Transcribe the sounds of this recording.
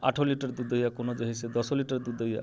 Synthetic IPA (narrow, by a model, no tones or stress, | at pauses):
a̰ʈʰoliʈɔɾd̪ud̪ʱəjakonod͡ʒeɦised̪ɔsoliʈɔɾd̪ud̪əja̰